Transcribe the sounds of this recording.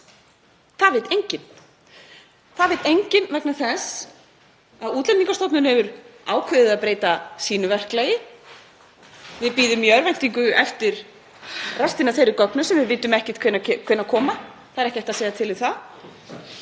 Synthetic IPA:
θaðvɪt̪ejɲcɪn | θaðvɪt̪ejɲcɪnvɛknaθɛs | aðuːt̪lɛniŋkast̪ɔpnʏnhɛvʏɾaːwkʰvʏðɪðaðpɾeːjt̪asiːnʏvɛr̥klajɪ | vɪðpiːðʏmːjœɾvajn̥t̪iŋkʏɛft̪ɪɾ̥ | rast̪inaθejɾɪkœknʏsɛmvɪðvɪjt̪ːʏmɛhcɛt̪kʰvɪnːkʰɪnːakʰɔːma | θaðɾɛhcɛht̪aseːjðat̪ʰɪlɪθað

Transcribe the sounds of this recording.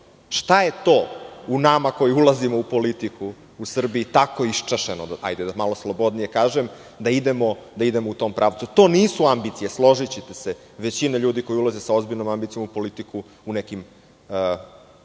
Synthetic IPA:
ʃt̪aje̞t̪o̞ːunamako̞jiulˠazimo̞upo̞lit̪iku | usr̩biit̪ako̞iʃt͡ʂaʃeno̰d̪aa̰jd̪ed̪amaloslˠo̞bo̞d̪nije̞kaːʒem | d̪aid̪emo̞d̪aid̪e̞mout̪o̞mpɾʔaːʋt̪sut̪o̞ːniːsuambit̪sijeslˠo̞ʒit͡ɕet̪ese | ʋe̞t͡ɕineʎuːd̪iko̞julazesaozbiʎno̞mambit̪sijo̞mupo̞lit̪iku | unekim

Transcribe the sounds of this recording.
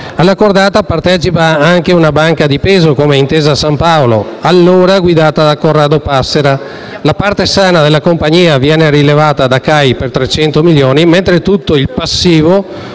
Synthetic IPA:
alːakord̪aːt̪apart̪ɛːt͡ʃipaaŋkeunabaŋkad̪ipeːzokomeint̪eːzasampaoloalːoːɾaɡwid̪aːt̪ad̪akorːaːd̪opasːeɾa | lapart̪esaːnad̪elːakompaɲiːavjɛːnerilevaːt̪ad̪akajpert̪ɾet͡ʃɛnt̪omiljoːniment̪ɾet̪ut̪ːoilpasːiːvo

